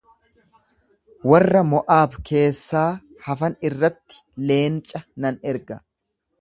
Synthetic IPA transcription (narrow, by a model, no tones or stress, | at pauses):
wɐrːɐmɔʔaːbke̞ːsːaː | hɐfɐnɪrːɐt̪ːɪ̥le̞ːnt͡ʃʼːɐnɐnɛɾɡɐ